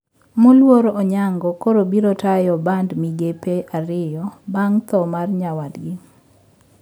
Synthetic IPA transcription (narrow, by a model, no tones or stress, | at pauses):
molwoɾoɲaŋɡɔkoɾobiɾotajɔbandmiɡepeʔaɾɪjɔbaŋt̪ɔmarɲawadɡɪ